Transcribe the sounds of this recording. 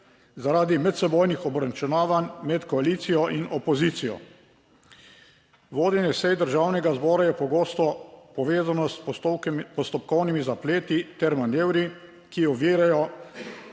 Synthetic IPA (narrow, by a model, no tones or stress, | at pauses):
zaɾaːd̪imɛt̪sɛboːjnixɔbɾant͡ʃɛnaːʋanmɛt̪kɔaliːt̪sijɔʔinʔɔpɔziːt̪sijɔ̰ | ʋoːd̪ɛnjɛsɛjd̪əɾʒawnɛɡazbɔːɾajɛpɔɡoːst̪ɔpɔʋeːzanɔs | pɔst̪ɔp̚kɔwnimizapleːt̪it̪ɛɾmaneːwɾi | kiɔʋiːɾajɔ